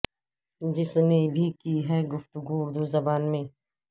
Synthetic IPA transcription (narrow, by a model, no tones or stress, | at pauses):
d͡ʒɪsnebʱikiɦɛːɡʊft̪ʊɡuʊɾd̪uzɐbaːnmẽː